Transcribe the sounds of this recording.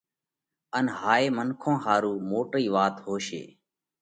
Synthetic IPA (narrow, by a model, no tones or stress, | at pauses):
ənɦaːeːmənkʰõːɦaːɾuːmoːʈɾiːʋaːt̪ɦoːʃḛː